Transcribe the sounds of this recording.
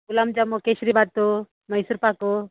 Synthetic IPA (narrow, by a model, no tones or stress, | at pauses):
kulamd͡ʒamɔkesɾibad̪̚t̪u | məjsuɾpaku